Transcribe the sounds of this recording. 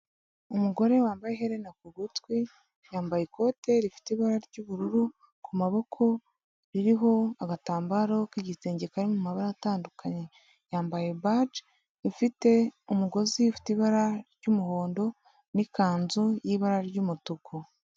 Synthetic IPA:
umuɡo̞ɾe̞waːmbajeɦeɾenakuɡutwi | jaːmbajeko̞te̞ɾifi̥teiβaɾaɾɟuːβuɾuɾu | kumaβo̞kʰo̞ | ɾiɾiɦo̞aɡataːmbaɾo̞kiɟiseːɲɟekaɾimumaβaɾataːndukʰaɲe̞ | jaːmbaje̞bad͡ʒ | ifite̞umuɡo̞ziufi̥tiβaɾaɾɟuːmuho̞ːndo̞ | nikaːnzujiβaɾaɾɟuːmutukʰo

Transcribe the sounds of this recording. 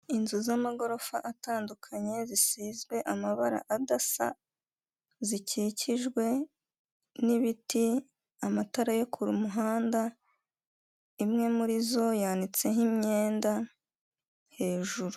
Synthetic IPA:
inzuzamaɡo̞ɾo̞faʔataːndukʰaɲe̞zisiːzɡwe̞ʔamaβaɾa̰ʔadasa̰ | ziciːciʒɡwe̞ | niβiti | amataɾajo̞kʰuɾumuɦaːnda | imŋe̞muɾizo̞jaːndit͡se̞nhimɲe̞ːnda | he̞ːʒuɾu

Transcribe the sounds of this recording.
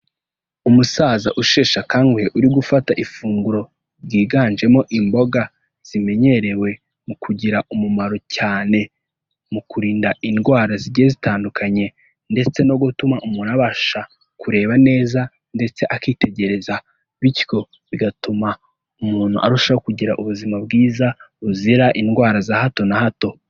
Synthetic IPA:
umusaːzaʔuʃeːʃakaːŋɡweʔuɾiɡufataʔifuːŋɡuɾo̞ | ɾɡiːɡaːnd͡ʒe̞mo̞ʔimbo̞ɡa | z̥ime̞ɲe̞ɾe̞we̞ | mukʰuɟiɾaʔumumaɾo̞caːne̞ | mukuɾiːndaʔinɡwaːɾaziɾɟiezitaːndukʰaɲe̞ | nde̞t͡se̞noɡutumaʔumuːnaβaʃa | kuɾe̞ːβane̞ːza | nde̞t͡se̞ʔakiːtʰe̞ɟe̞ɾe̞za | βitjo̞ | βiɡatuma | umuːn̥hṵʔa̰ɾuʃaokuɟiɾaʔuβuzimab̚ɡiːzauziɾaʔinɡwaːɾazahato̞nahato̞

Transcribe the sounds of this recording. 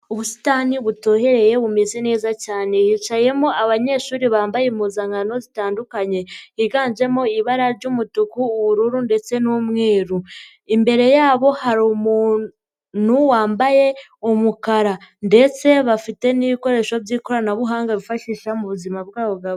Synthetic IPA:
uβusi̥taːniβuto̞ːhe̞ɾe̞je̞βumezene̞ːzacaːne̞jiːt͡ʃaje̞moʔaβaɲe̞ʃuːɾiβaːmbajemuzaŋɡano̞zitaːndukaɲe̞iɡaːɲd͡ʒe̞mo̞iβaɾaɾɟumutukuːβuɾuɾunde̞t͡se̞numŋe̞ːɾu | imbe̞ɾe̞jaːβo̞haɾumuː | n̥uwaːmbaje̞omukaɾande̞t͡se̞βafite̞niβiko̞ɾe̞ːʃo̞vɟiːko̞ɾanaβuɦaːŋɡaβifaʃiʃamuβuzimab̚ɡaːβoɡaβ

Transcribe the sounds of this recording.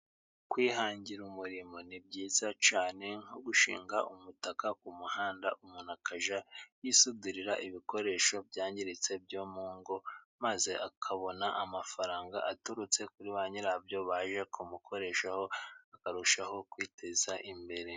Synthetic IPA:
kwiːɦaːɲɟiɾumuɾimo̞nib̚ɟiːzat͡ʃaːne̞ŋ̥oɡuʃḭːŋɡaʔumutakakumuhaːndaʔumunakʰaʒajisudiɾiɾaʔiβiko̞ɾe̞ːʃo̞bjaːɲɟiɾit͡se̞bjoːmuːŋɡo̞maze̞ʔakʰaβo̞naʔamafaɾaːŋɡa̰ʔatuɾut͡se̞kuɾiβaːɲiɾabjo̞βaːʒekʰumukʰo̞ɾe̞ːʃaho̞akaɾuʃaho̞kwiːtʰe̞zaʔimbe̞ɾe̞

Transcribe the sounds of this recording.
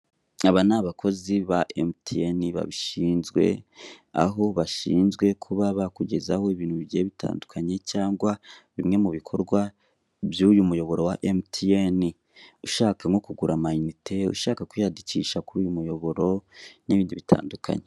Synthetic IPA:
aβanaβakʰo̞ziβaʔemtʰieniβa̰βiʃiːnzɡwe̞̰ | a̰ɦo̞βaʃiːnzɡwe̞kʰuβaβakuɟe̞zaho̞iβiːnhuβiɟieβitʰa̰ːndukʰaɲe̞caːŋɡwaβimŋe̞muβikʰo̞ɾɡwa | βjujumujo̞βo̞ɾo̞waʔemtieni | uʃaːkaŋo̞kuɡuɾamainitʰe̞ṵʃaːkakwijadiciʃakuɾuːjumujo̞βo̞ɾo̞niβiːndiβitʰa̰ːndukʰa̰ɲe

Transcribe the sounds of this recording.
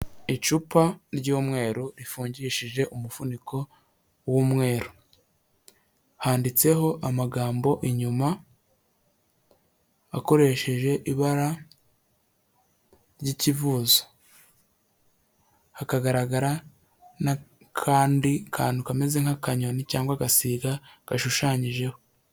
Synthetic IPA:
it͡ʃupaɾɟuːmŋe̞ːɾoɾifuːɲɟiʃiʒe̞ʔumufuniko̞ | wumŋe̞ːɾo | haːndit͡se̞ɦo̞ʔamaɡaːmbo̞ʔiɲuma | ako̞ɾe̞ʃe̞ʒe̞ʔiβaɾa | ɾjicivuːzo̥ | hakaɡaɾaɡaɾa | na | kʰaːndikʰaːnukame̞ze̞ŋhakaɲo̞nicaːŋɡwaɡasiːɡaɡ̥aʃuʃaːɲiʒe̞ho̞

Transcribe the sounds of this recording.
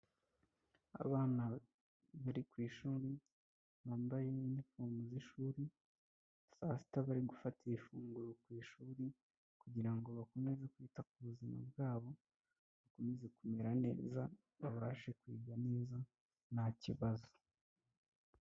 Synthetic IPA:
a̰βaːna | βaɾikwiːʃuːɾi | βaːmbajenifuːmɡuziʃuːɾi | saːsi̥taβaɾiɡufatiifuːŋɡuɾokwiːʃuːɾi | kuɟiɾaŋɡo̞βako̞me̞zekwiːtak̚uβuzima̰bɡaːβo̞ | βako̞me̞zekumeɾane̞̰ːza | βaβaːʃe̞kwiːɡane̞ːza | naciβazo̥

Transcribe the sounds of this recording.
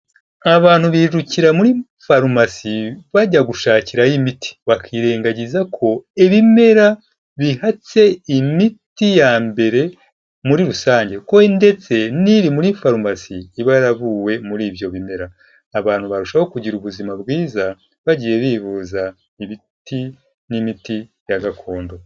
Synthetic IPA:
aβaːn̥huβiʒuciɾamuɾi | faɾmasiβaɟaɡuʃaːciɾajimitʰi̥βakʰiːɾe̞ːŋɡaɟizakʰo̞iβime̞ɾa | βihat͡se̞imitijambe̞ɾe̞ | muɾiɾusaːɲɟe̞ko̞nde̞t͡se̞niɾimuɾifaɾumasiːβaɾaβuːwe̞muɾiːbjo̞βime̞ɾaː | βaːn̥huβaɾuʃaho̞kuɟiɾuβuzimabɡiːza | βaɟiːje̞βiːβuːza | imi | ti | nimitijaɡakʰo̞ːndo̞

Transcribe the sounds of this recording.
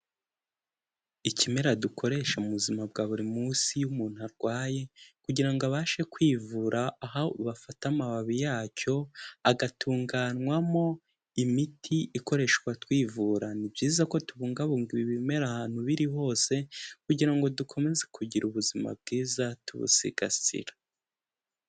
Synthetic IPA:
icime̞ɾadukʰo̞ɾe̞ʃamuβuzimab̚ɡaːβuɾimuːsijumuːn̥uaɾɡwaːje̞kuɟiɾaŋɡoaβaːʃe̞kwiːvuɾaːɦaβafatamaβaβijaːco̞aɡatʰuːŋɡaːnwamo̞ | imitʰiiko̞ɾe̞ʃkwatwiːvuːɾanibɟiːzako̞tuβuːŋɡaβuŋɡiβiβime̞ɾahaːn̥huβiɾiho̞ːse̞kuɟiɾaŋɡo̞dukʰo̞me̞zekʰuɟiɾuβuzima̰b̚ɡiːzatuβṵsḭɡa̰sḭɾa

